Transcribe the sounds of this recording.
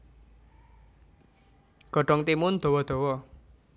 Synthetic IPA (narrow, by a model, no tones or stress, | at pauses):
ɡ̥ɔ̤ɖ̥ɔ̤ŋt̪imʊnd̪̥ɔ̤wɔd̪̥ɔ̤wɔ